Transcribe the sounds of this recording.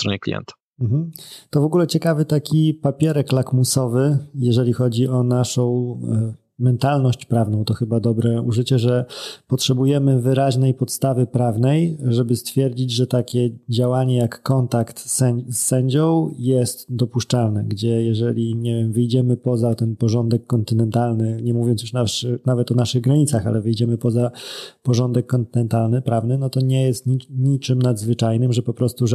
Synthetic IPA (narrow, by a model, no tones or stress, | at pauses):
sst̪ɾɔɲɛklʲḭjɛ̰nt̪ḁ | m̩ɦm̩t̪ɔvɔɡulɛt͡ɕɛkavɘt̪akʲipapʲjɛɾɛklakmusɔvɘjɛʐɛlʲixɔd͡ʑiʔɔnaʂɔ̃w̃ | mɛnt̪alnɔɕt͡ɕpɾavn̪ɔ̃w̃t̪ɔxɘbad̪ɔbɾɛuʐɘt͡ɕɛʐɛpɔtʂɛbujɛmɘvɘɾaʑnɛjpɔt̪st̪avɘpɾavnɛjʐɛbɘst̪fʲjɛɾd͡ʑid͡ʑʐɛt̪akʲɛd͡ʑawaɲɛjakːɔnt̪akt̪ɛsːɛɲd͡ʑɔ̃w̃jɛst̪d̪ɔpuʂt͡ʂalnɛɡd͡ʑɛjɛʐɛlʲiɲɛvʲjɛmvɘjd͡ʑɛmɘpɔzat̪ɛnpɔʐɔnd̪ɛkːɔnt̪ɘnɛnt̪alnɘɲɛmuvʲjɔnt̪sjuʂnaʂnavɛt̪ɔnaʂɘɣɡɾaɲit̪saxa̰lɛvɘjd͡ʑɛmɘpɔzapɔʐɔnd̪ɛkːɔnt̪ɘnɛnt̪alnɘpɾavnɘnɔt̪ɔɲɛjɛst̪ɲiɲit͡ʂɘmnad̪zvɘt͡ʂajnɘmʐɛpɔpɾɔst̪uʐ